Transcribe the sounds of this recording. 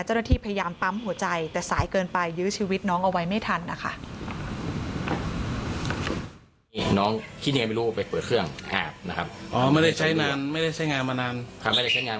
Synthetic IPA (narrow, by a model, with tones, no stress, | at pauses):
t͡ɕa˥˩wna˥˩tʰiː˥˩pʰa˧ja˧jaː˧mpa˦˥mhu˩˦ɐt͡ɕa˧jt̪ɛː˨˩saː˩˦jkɤː˧npa˧jːɯː˦˥t͡ɕʰiː˧wi˦˥t̪̚nɔː˦˥ŋʔa˧wa˦˧jma˥˩jt̪ʰa˧nːa˦˥kʰa̰˥˩ʔ | nɔː˦˥ŋkʰi˦˥ɲa˧ŋ˧ma˥˩ɾuː˦˧˩pa˧jpɤː˨˩t̪̚kʰɯ˥˩əŋʔa̰ː˨˩p̚na˦˥kʰa˦˥p̚ʔɔː˧˩ma˥˩jda˥˩jt͡ɕʰa˦˥jnaː˧nma˥˩jda˥˩jt͡ɕʰa˦˥˩jŋaː˧nmaː˧naː˧nkʰa˧˦ma˥˩jda˥˩t͡ɕʰa˦˥jŋaː˧n